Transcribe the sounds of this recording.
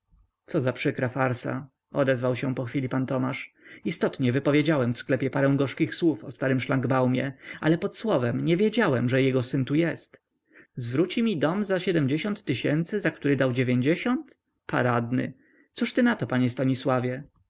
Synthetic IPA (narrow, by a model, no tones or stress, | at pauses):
t̪sɔzapʂɘkɾafaɾsa̰ | ɔd̪ɛzvawɕɛ̃pɔxfʲilʲipant̪ɔmaʂ | ist̪ɔt̪ɲɛvɘpɔvʲjed͡ʑawɛmfsklɛpʲjɛpaɾɛ̃w̃ɡɔʂkʲixswufɔst̪aɾɘmʂlaŋɡbawmʲjɛ̰a̰lɛpɔt̪swɔvɛmɲɛvʲjed͡ʑawɛmʐɛjɛɡɔsɘnt̪ujɛst̪ | zvɾut͡ɕimʲid̪ɔmzaɕɛd̪ɛmd͡ʑeɕɔ̃nt̪ːɘɕɛnt̪sɘzakt̪uɾɘd̪awd͡ʑevʲjeɲd͡ʑeɕɔnt̪ | paɾad̪nɘ̰ | t̪suʂt̪ɘnat̪ɔpaɲɛst̪aɲiswavʲjɛ